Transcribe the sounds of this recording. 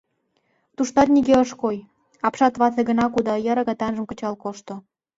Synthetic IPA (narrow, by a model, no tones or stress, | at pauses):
t̪uʃt̪ɑt̪̚niɣeəʃkoj | ɑpʃɑt̪βɑθeɣə̆nɑkud̪ɑjɑɾəɣɑt̪ɑnʒə̆mkə̆t͡ɕɑlkoʃt̪o